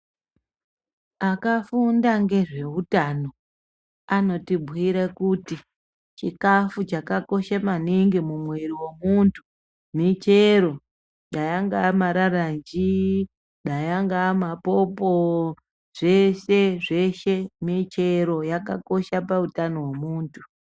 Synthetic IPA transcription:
akafundaŋɡe̞ʐe̞utano̞ | ano̞tibʱwiɾekuti | t͡ʃikafut͡ʃakako̞ʃamaniŋɡimumweɾiwe̞muntʰu | mit͡ʃe̞ɾo̞ | ɗajaŋɡaːmaɾarand͡ʒi | ɗajaŋɡaːmapo̞po | ʐ̥e̞se̞ʐe̞ʃe̞mit͡ʃe̞ɾo̞jaka̰ko̞ʃapautano̞wemuːntʰu

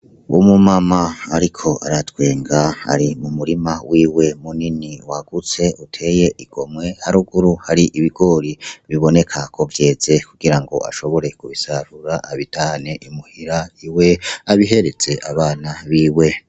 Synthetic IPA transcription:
umumamaaɾikʰo̞ʔa̰ɾatwe̞ːŋɡaa̰ɾimumuɾimawiːwe̞muniniwaɡ̥ut͡se̞utʰe̞je̞ʔiɡ̥o̞mŋe̞haɾuɡuɾuhaɾiʔiβiɡo̞ɾiβiβo̞ne̞kʰakʰo̞vje̞ːze̞kuɡ̥iɾaŋɡo̞̰ʔa̰ʃo̞βo̞ɾe̞kuβisaɾuɾaʔaβitahane̞ʔimuhiɾaiwe̞aβiɦe̞ɾe̞t͡se̞ʔaβaːnaβiːwe̞

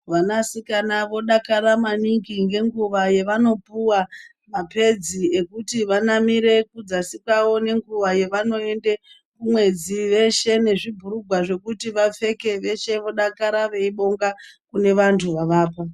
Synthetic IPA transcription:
ʋanasikanaʋo̞ɗakaɾamaniŋɡiŋɡe̞ŋɡuʋaje̞ʋano̞puwa | mape̞d͡ziekutiʋanamiɾe̞kud͡zasikawo̞ne̞ŋɡuʋaje̞ʋano̞e̞nde | kumwe̞d͡ziʋe̞ʃe̞ne̞ʐibʱuɾuɡʱwaʐe̞kutiʋap͡fe̞ke̞ʋe̞ʃe̞ʋo̞ɗakaɾaʋe̞iɓo̞ŋɡakune̞ʋantʰuʋaʋaːpa

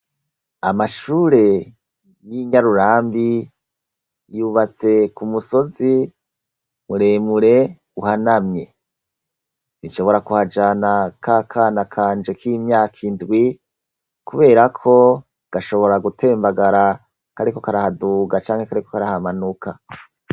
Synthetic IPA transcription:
amaʃuːɾe̞ | jiɲaɾuɾaːmbi | juβat͡se̞kumuso̞zi | muɾeːmuɾe̞ | uhanamɲe̞ | sinʃo̞βo̞ɾakuhad͡ʒanakʰakʰaːnakʰaːnd͡ʒe̞kʰimɲaːkʰindɡwi | kuβe̞ːɾakʰo̞ | ɡ̥aʃo̞βo̞ɾaɡutʰe̞ːmbaɡaɾa | kaɾiko̞kaɾahaduːɡat͡ʃaːŋhe̞kaɾikokaɾahamanukʰa

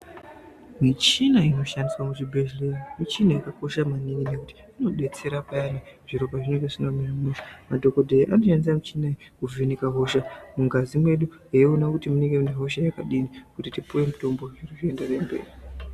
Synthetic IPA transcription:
mit͡ʃinaino̞ʃandiswamut͡ʃibʱeʒlenimit͡ʃinaikako̞ʃamanininekuti̥ | ino̞ɗe̞t͡se̞ɾapajaneʐ̥iro̞baʐineŋɡeʐinomiramuamadʱo̞ko̞dʱeʔano̞ʃandis̬amit͡ʃinakuvʱenikaɦo̞ʃamuŋɡazimwe̞ɗueonakutimuneŋɡeuneɦo̞ʃajakaɗinikutitipuwe̞muto̞mbo̞ʐiriʐiendare̞mbe̞̰ːri

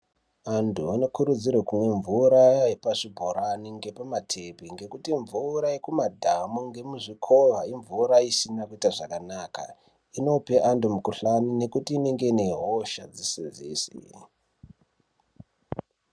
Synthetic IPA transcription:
antʰuano̞kuɾud͡zirwekumwe̞ɱvuɾaepaʂibʱoɾaniŋɡe̞pamatʰe̞bʱiŋɡe̞kutiɱvuɾaekumadʱamuŋɡe̞muʐikʰo̞ɦaiɱvuɾaisinakuitaʐakanaːka̰ | ino̞pe̞ʔandumukuɬanine̞kutiːneŋɡe̞ne̞ɦoʃad͡zisinzḭːsḭ

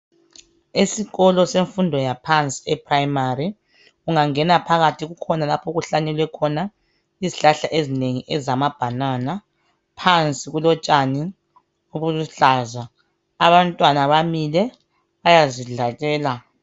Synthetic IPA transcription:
esiɣɔlɔseɱfundʱɔjapʰant͡sʼi̥ɛpʰraimari | uŋaŋɛnapʰaɣatʰiɣukʰɔnalapʰuɣuɬanɛlwɛkʰɔna | iziɬaɬaʔezineŋiʔɛzamab̥ʱanana | pʰant͡sʼiɣulɔt͡ʃʼani | uβuluɬaːzaː | βantʼwanaβamilɛ | βajaziɮatʼɛːla

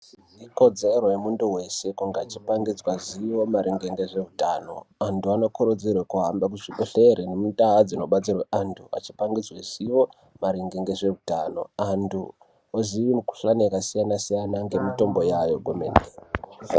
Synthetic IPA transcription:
iko̞d͡ze̞rojemunduwe̞se̞kuŋɡeaat͡ʃi̥paŋɡid͡zwaziwo̞maɾiŋɡeŋɡe̞ʐe̞utano̞̰antuano̞koɾod͡zirwekuɦambak̬uʐiɓeɬeɾenemutaad͡zino̞ɓat͡sirweʔantʰua̰t͡ʃi̥paŋɡid͡zwez̥iʋo̞ | maɾeŋɡeŋɡe̞ʐe̞utano̞̰andʰu | oziʋimuku̥ɬaneakasijanasijanaŋɡe̞mito̞mbo̞jajo̞ɡʱomḛnde

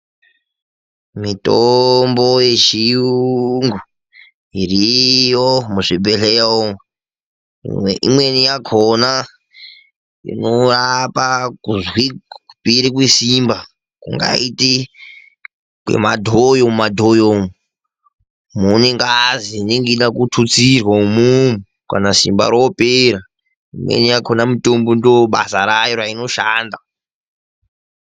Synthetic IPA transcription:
mitombojet͡ʃiuŋɡu | irijomuʐibʱeɬeo | ʔimwenijakʰona | ḭnorapakuzwikupiɾikwisimba | kṵŋɡa̰iti | kwḛmadʱojommadʱojom | muneŋɡazineŋɡiɗakutʰut͡sirwaumumu | ka̰nasḭmba̰ɾopeɾa | imwḛnijakʰonamitombondoɓa̰saɾajiɾaino̞ʃaːnda

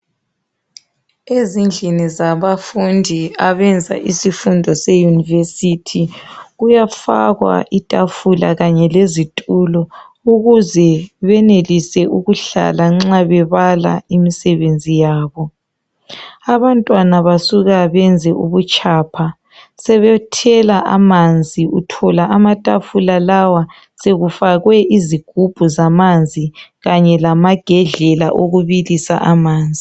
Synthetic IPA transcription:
ezind͡ɮʱinizaβafundʱiaβɛnd͡zʱa̰ʔisifundʱɔsɛjunivesitʰiɣujafa̰ɣwa̰ʔitʼafula̰ɣaɲɛlezitʼulɔ | uɣuzɛβɛnelisɛʔuɣuɬa̰laŋ͡ǁaβɛβala̰imisɛβend͡zʱijaːβɔ | aβantʼwanaβasuɣaβɛnd͡zʱɛʔuβut͡ʃʰʼaːpʰa | sɛβɛtʰɛlaʔamand͡zʱiutʰɔlaʔamatʼafulalawa | seɣufaɣwɛʔiziɡ̥ʱub̥ʱuzamand͡zʱiɣaɲɛlamaɡ̥ʱɛɮɛla̰ʔoɣuβilisa̰ʔamaːnd͡zʱi

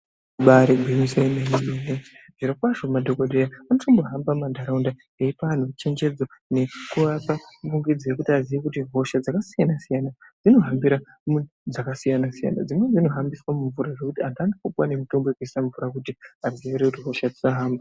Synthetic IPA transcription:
ɓaɾeɡʱwemisenemimeneʐiɾakwaʐomadʱo̞koɗejaanotʰombo̞ɦambamandʱaɾaunda | eipan̤ut͡ʃe̞ɲd͡ʒe̞d͡zone̞kuʋapauŋɡid͡zijekutiaziʋekutiɦo̞ʃad͡zakasijanasijanad͡zino̞ɦambiɾa | mun | d͡zakasijanasija̰na̰d͡zimwed͡zino̞ɦambiswamuɱvuɾaʐe̞kutiandandikupwane̞muto̞mbeekuissaɱvuɾakutiazieeɾekutiɦo̞ʃad͡zisaɦaːmba

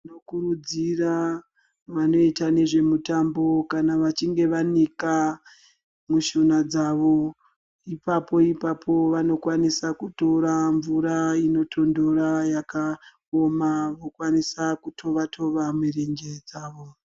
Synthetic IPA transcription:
nokuɾud͡zira | ʋano̞itane̞ʐe̞mutambo̞kanaʋat͡ʃiŋɡe̞ʋanika | muʃonad͡zaʋo̞ | ipapo̞ipapʰo̞ʋano̞kwanisakuto̞ɾaɱvuɾaino̞tʰo̞ndo̞ɾajaka | omaʋokwanisakutʰo̞ʋatʰo̞ʋamwireŋɡe̞d͡zaːʋo̞

